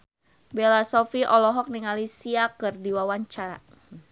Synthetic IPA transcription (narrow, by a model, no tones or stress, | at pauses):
belasɔfiʔɔlɔɦɔk̚niŋalisiakɨrdiwawaɲt͡ʃaɾa̰